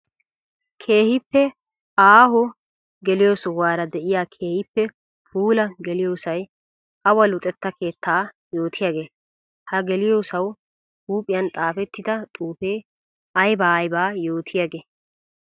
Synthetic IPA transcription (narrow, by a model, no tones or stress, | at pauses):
kʰe̞ːhɪpːɛ | aːɦʊ | ɡɛlɪjoːsɔwaːɾɐd̪ɛʔɪjaːkʰe̞ːhɪpːɛ | puːlɐɡɛlɪjoːsɐj | ʔɐwɐlʊt̪ʼɛt̪ːɐke̞ːt̪ːaː | jo̞ːt̪ʰɪjaɡeː | hɐɡɛlɪjoːsɐw | huːpʼːɪjɐnt̪ʼaːfɛt̪ːɪd̪ɐt̪ʼuːfe̞ː | ɐjbaːɐjbaːjoːt̪ʰɪjaɡeː